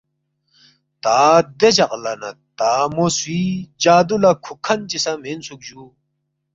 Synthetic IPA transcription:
t̪aːd̪et͡ɕɐqlɐnɐ̰t̪aːmoswiːd͡ʑaːd̪ulɐkʰukʰɐnt͡ɕisɐmensuk̚d͡ʑu

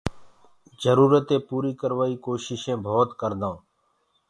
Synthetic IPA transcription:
d͡ʒəɾuːɾət̪ẽːpuːɾiːkəɾʋaːiːkoːʃɪʃẽːbʱoːt̪kəɾd̪ãː

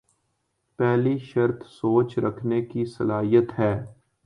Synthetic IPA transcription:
pɛːliʃɐɾt̪ʰsoːt͡ʃɾəkʰnekisɐlaːɦijət̪ɦɛː

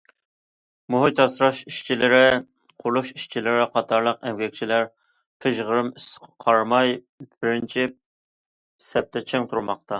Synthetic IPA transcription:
muɦijt̪ɑsɾɑʃiʃt͡ʃʰilɪɾɪ | qʰʊluʃiʃt͡ʃʰilɪɾɪqʰɑt̪ʰɑɾlˠəqɛŋɡʲɛk̚ʲt͡ʃʰilæɾ | qʰəʒʁəɾɨmisɨ̥qʰqʰɑɾmɑj | bɪɾɪnt͡ʃʰi | sɛp̚t̪ʰɛt͡ʃʰeŋt̪ʰuɾmɑq̚t̪ʰɑ

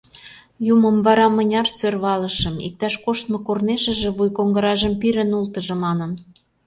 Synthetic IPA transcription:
jumə̆mvɑɾɑmə̆nʲɑrsørβɑlə̆ʃə̆mḭk̚t̪ɑʃkoʃt̪mŏkorneʃə̆ʒĕβujkoŋɡə̆ɾɑʒəmpiɾə̆nult̪ə̆ʒɤ̆mɑnən

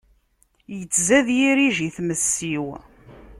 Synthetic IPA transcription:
jət͡sːzæðjiɾiʒiθməsːiw

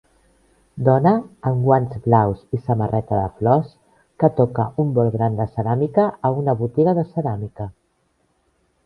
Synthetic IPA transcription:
d̪ɔnəːŋɡwanzblawzisəmərɛt̪əðə̰flɔs | kət̪ɔkəumbɔlˠɣɾand̪əsəɾamikəːunəβut̪iɣəðəsəɾamikə

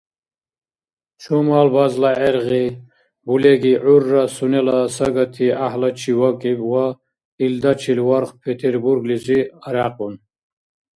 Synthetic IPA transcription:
t͡ʃʰumaːlbazlaɛɾʁi | bulɛɡiʕurːasunɛlasɐɡɐt̪ʰiahlɐt͡ʃʰiwakʼibwa | ild̪at͡ʃʰilwaɾχpʰet̪ʰeɾbuɾɡliziɐɾaqʼun

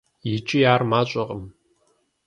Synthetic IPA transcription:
jɪt͡ʃʼɪjaːrmaːɕʷʼɐqʼəm

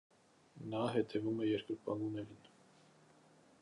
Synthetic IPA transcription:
nɑɦɛt̪ʰɛvumɛjɛɾkəɾpɑnɡunɛɾin

